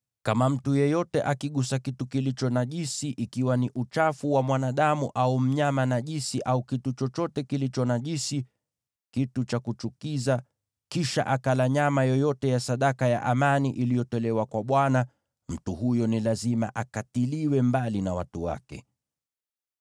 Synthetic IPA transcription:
kamam̩tujɛjɔtɛʔakiɠusakitukilit͡ʃɔnaʄisiʔikiwaniʔut͡ʃafuwamwanaɗamuʔaum̩ɲamanaʄisiʔaukitut͡ʃɔt͡ʃɔtɛkilit͡ʃɔnaʄisi | kitut͡ʃakut͡ʃukiza | kiʃa̰ʔakalaɲamajɔjɔtɛjasaɗakaja̰ʔamaniʔilijɔtɔlɛwakwaɓwana | m̩tuhujɔnilazima̰ʔakatiliwɛmbalinawa̰tuwa̰kɛ̰

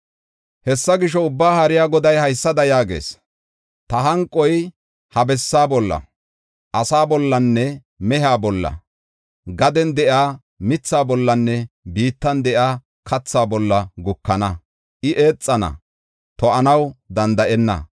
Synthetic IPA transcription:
hɛsːɐɡɪʃɔʊbːaːhɐɾɪjaːɡɔd̪ɐjhɐjsːɐd̪ɐjaːɡe̞̰ːs | t̪ɐɦɐŋkʼːɔj | hɐbɛsːaːbɔlːɐ̰ | ʔɐsaːbɔlːɐnːɛ | mɛɦaːbɔlːɐ̰ | ɡɐd̪ɛnd̪ɛʔaː | mɪt͡sːaːbɔlːɐnːɛbiːt̪ːɐnd̪ɛʔjaː | kʰɐt͡sːaːbɔlːɐɡʊkːɐnɐ | ʔɪʔe̞ːt͡sʼːɐnɐ̰ | t̪ɔɐnɐwd̪ɐnd̪ɐʔɛnːɐ̰

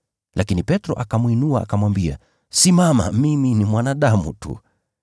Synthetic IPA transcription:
lʔakinipɛtɾɔ̰ʔakamwinuaʔa̰kamwambia̰ | simama̰miminimwanaɗamṵtṵ

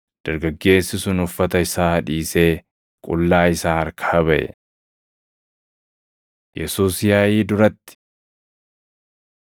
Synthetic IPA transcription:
d̪̥ɐɾɡɐɡːe̞ːsːɪsʊnʊfːɐt̪ɐɪsaːhɐᶑiːse̞ː | kʼʊlːaːɪsaːɐɾkʰaɐbɐʔɛ̰ | jɛsuːsjaːjiːd̪ʊɾɐt̪ːɪ̥

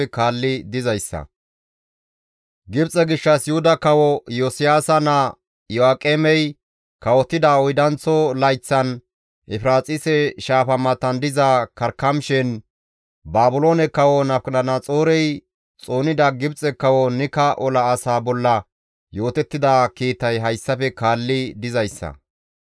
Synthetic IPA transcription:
kaːlːɪd̪ɪzɐjsːɐ̰ | ɡɪbt͡sʼɛɡɪʃːɐsjʊhʊd̪ɐkɐwɔjoːsɪjaːsɐnɐ | jɔaːkʼeːmɛj | kɐwɔt̪ːɪd̪ɐɔjd̪ɐnt͡sːɔlɐjt͡sːɐn | ʔɛfɾaːt͡sʼɪsɛʃaːfɐmɐt̪ːɐnd̪ɪzɐkɐɾkːɐmʃɛn | baːbʊlo̞ːnɛkːɐwɔnɐfknɐnɐt͡sʼo̞ːɾɛj | t͡sʼoːnɪd̪ɐɡɪbt͡sʼːɛkːɐwɔnɪkɐʔɔlɐːsaːbɔlːɐ | jo̞ːt̪ɛt̪ːɪd̪akiːt̪ːɐjɦɐjsːɐfɛkaːlːɪd̪ɪzɐjsːɐ̰

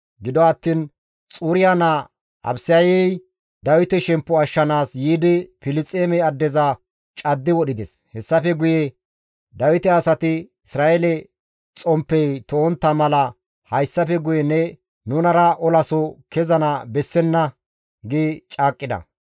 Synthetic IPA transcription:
ɡɪd̪ɔɐt̪ːiːn | t͡sʼuːɾɪjanɐ | ʔɐ̰bsɪjɐjɛj | d̪ɐwɪt̪ɛʃɛmpːɔɐʃːɐnaːsjiːd̪ɪfɪlɪt͡sʼːeːmɛɐd̪ːɛzɐ | t͡ʃʼɐd̪ːɪwɔɗɪd̪ɛs | hɛsːɐfɛɡʊjɛ | d̪ɐwɪt̪ɛɐsɐt̪ɪɪsɾaːelɛ | t͡sʼɔmpːɛjt̪oːnt̪ːɐmɐlɐ | hɐjsːɐfɛɡʊjɛnɛ | nʊnɐɾɐʔɔlɐsɔkɛzɐnɐbɛsːɛnːɐ | ɡɪt͡ʃʼaːkʼːɪd̪ɐ̰

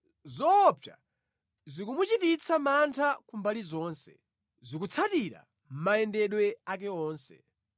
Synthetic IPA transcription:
zɔpʰja̰ | zikumut͡ʃitit͡sʰamantʰakumbalizɔːnsɛ̰ | zik̬ut͡sʰatiɾa̰ | m̩maɛndɛɗwɛak̬ɛɔːnsɛ̰

